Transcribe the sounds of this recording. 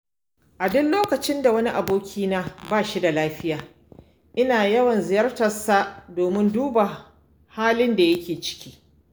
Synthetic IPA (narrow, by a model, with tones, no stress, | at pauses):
ʔa˨dʊ˦nloː˦kɐ˨t͡ʃɪ˦nda˨wɐ˦ni˦ʔa˨boː˦kʲʰiː˦naː˦baː˦˨ʃi˦da˨laː˦ɸɪ˦jaː˨ | ʔɪ˦naː˨jɐ˦wɐ˨nzɪ˨jɐ˦rtɐ˨sa˨doː˨mɪ˦nduː˦ba˨ | haː˦lɪ˦nda˨jɐ˦kʲeː˨t͡ʃɪ̥˦kʲi̥ː˦